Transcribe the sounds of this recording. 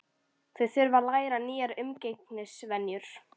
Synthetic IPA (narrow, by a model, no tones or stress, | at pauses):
θɛθʏɾvaɾlaːjɾaniːjaɾʏmcejknɪsvɛnjʏɾ̥